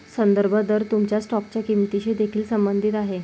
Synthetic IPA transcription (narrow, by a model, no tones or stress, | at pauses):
sənd̪əɾbʱəd̪əɾt̪umt͡ɕjasʈɔk̚t͡ɕjakimt̪iɕed̪ekʰiːlsəmbənd̪ʱit̪aɦe